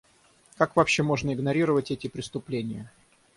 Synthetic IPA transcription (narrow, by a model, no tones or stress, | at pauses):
kakvɐpɕːe̞mo̞ʐnəɪɡnɐɾʲiɾəvətʲɛtʲɪpɾʲɪst̪ʊplʲenʲɪjə